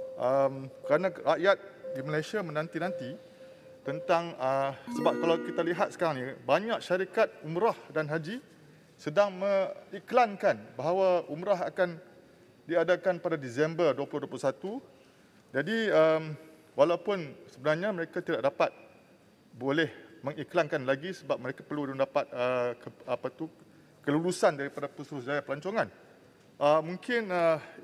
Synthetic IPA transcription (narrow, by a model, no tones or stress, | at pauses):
ʔəmkəɾanãraʔjat̪̚diməlasiamə̃nãnt̪inãnt̪i | t̪ənt̪aŋəsəbap̚kalawkit̪aliɦat̪̚sə̥kaɾaŋnibaɲak̚ʃaɾikat̪̚umɾahdanɦad͡ʒi | sədaŋmə̃iklankanbaɦawaumɾaɦa̰kan | diadakanpadadisɛmbərduaplʊhduap̬lʊsat̪u | d͡ʒadiəm | walawpʊnsəbənarɲãməɾekat̪idaʔ̚dapat̪̚ | bolɛhmə̃ŋiklankanlaɡisəbap̚məɾekapərluduŋdapat̪̚əkəapat̪u | kəlulusandaɾipadapəst̪uɾʊsd͡ʒajapəlaɲt͡ʃoŋan | ʔəmũŋkɪnə